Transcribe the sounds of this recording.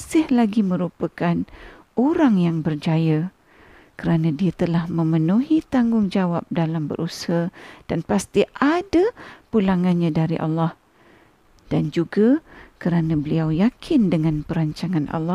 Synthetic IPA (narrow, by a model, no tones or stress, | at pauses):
sɪhlaɡimə̃ɾupakan | oɾaŋjaŋbərd͡ʒaja | kəɾanãdiat̪əlahmə̃mənuɦit̪aŋɡʊŋd͡ʒawap̚dalambə̰ɾʔusahad̥anpast̪iʔadapulaŋãnɲãdaɾiʔɑ̰lːɑh | d̥and͡ʒuɡakəɾanãbəliawjakʰɪndəŋãnpəɾaɲt͡ʃaŋanʔɑ̰lːɑ